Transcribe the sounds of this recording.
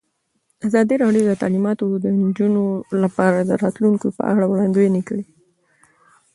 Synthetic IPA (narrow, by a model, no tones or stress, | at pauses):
azɑd̪iɾɑɖjod̪ət̪a̰limɑt̪od̪ənd͡ʒunolapɑɾad̪əɾɑt̪luŋkopə̰a̰ɽawɽɑnd̪ujenikəli